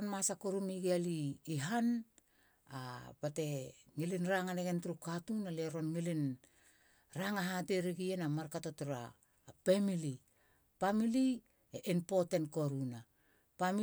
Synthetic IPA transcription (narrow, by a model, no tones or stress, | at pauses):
nmasakoɾumiɡealiːɦan | abate̞ŋilinɾaŋaneɡentɾukatunaleɾo̞nŋilin | ɾaŋaɦadeɾiɡienamaɾkatotuɾa̰ː | pemili | pamili | eʔinpo̞tentko̞ɾuna | pami